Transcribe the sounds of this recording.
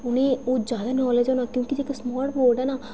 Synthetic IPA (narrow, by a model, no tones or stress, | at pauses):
ʊñeːoːd͡ʒjaːd̪aːnɔːled͡ʒoːnaːkjõːkid͡ʒeːkasmaːɾʈboːɾɖɛːna